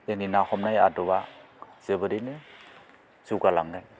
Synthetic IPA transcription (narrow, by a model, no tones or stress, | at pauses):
teninahɔmnajadɔba | z̥ebɯɾinɯ | zuɡalaŋɡɯn